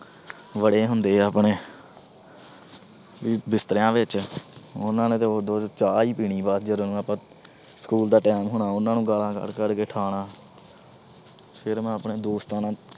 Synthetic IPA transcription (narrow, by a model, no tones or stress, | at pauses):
ʋəɽeːɦʊnd̪eːəːpɳeː | ʋiːbɪst̪ɾjãːʋɪt͡ʃ | ʊnãːnẽːt̪eːoːd̪oːt͡ʃaːiːpiːɽiːbaːt̪d͡ʒəɾnũːapãː | sə̥kuːld̪aːʈɛːmɦʊɳaːʊnãːnũːɡaːlãːkə̰ɽkəɽkeːʈʰaːɽaː | pʰɪɾmɛ̃ːəpɳeːd̪oːst̪aːnãː